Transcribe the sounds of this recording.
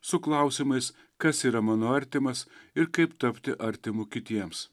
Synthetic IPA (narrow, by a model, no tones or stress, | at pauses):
sʊklˠɑˑʊsʲɪmɐɪs | kɐsiːɾɐmɑːnoːɐɾʲt̪ʲɪmɐsɪɾkɐɪpt̪ɐpʲt̪ʲɪʔɐɾʲt̪ʲɪmʊkʲɪt̪ʲiɛms